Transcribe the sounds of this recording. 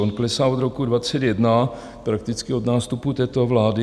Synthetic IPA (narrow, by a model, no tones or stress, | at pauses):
onklɛsaod̪ɾokudvat͡sɛd̪jɛdna | pɾak̚t̪ɪt͡skɪod̪naːst̪uput̪ɛːt̪ovlaːdɪ